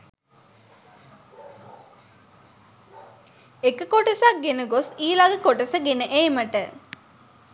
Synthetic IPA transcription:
ekəkoʈɐsak̚ɡenəɡosiːlaɡəkoʈɐsɐɡenəʔeːmɐʈə

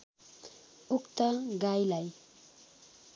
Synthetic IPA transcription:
ukt̪ʌɡajlaj

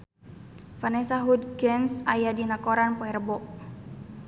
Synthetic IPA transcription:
fanɛsaɦud̪ɡɛnsajadinakoɾanpɔɛrbɔʔ

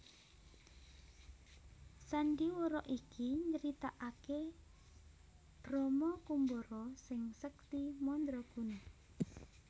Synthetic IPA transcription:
saɳɖiwoɾɔʔikiɲəɾit̪aʔake | b̥ɾɔmɔkumboɾɔsɪŋsək̚t̪imɔnd̪ɾɔɡ̥un

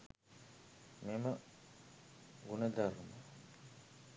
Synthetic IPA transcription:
memɐ | ɡunɐd̪aɾuma

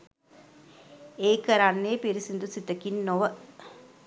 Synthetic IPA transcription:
eːkəɾanːeːpiɾisind̪usit̪əkinːoʋə

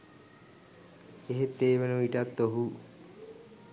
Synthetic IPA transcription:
eɦet̪ːeːʋenuiʈat̪ːoɦu

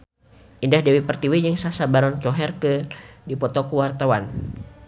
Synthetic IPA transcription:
ʔindahdɛwipərt̪iwid͡ʒəŋsasabaɾɔnt͡ʃɔɦɛrkədipɔt̪ɔkuwart̪awan

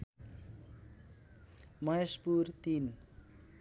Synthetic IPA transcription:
mʌjʌspurt̪in

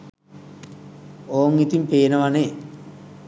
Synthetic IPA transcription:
oːŋit̪impeːnəʋane

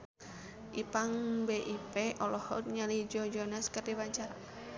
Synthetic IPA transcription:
ʔipaŋbeʔipeʔɔlɔhɔ̰t̪̚ɲalid͡ʒɔd͡ʒɔnaskərdibaɲt͡ʃaɾa

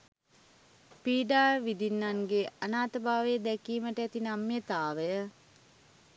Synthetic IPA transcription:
piːɖaːʋid̪inːaŋɡeanaːt̪əbʱaːʋejəd̪ækiːməʈəæt̪inamːjət̪aːʋəjə

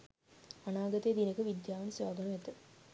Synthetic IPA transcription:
anaːɡɐt̪ejed̪inəkəʋid̪jaːʋənsʋaːɡɐnuʋɛt̪ə

